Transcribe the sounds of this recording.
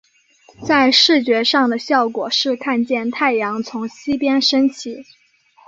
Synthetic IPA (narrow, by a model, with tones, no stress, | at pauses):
t͡sa˥˧ɪʂɻ̩˥˩t͡ɕɥɛ˧˥ʂɑ˥˩ŋd̪ə˩ɕjɑ˥˩ʊkwɔ˨˩ʂɻ̩˥˧kʰa˥˧nt͡ɕjɛ˥˧nt̪ʰa˥˩ɪjɑ˧˥ŋt͡sʰʊ˧˥ŋɕi˥pjɛ˥nʂə˥nt͡ɕʰi˧˥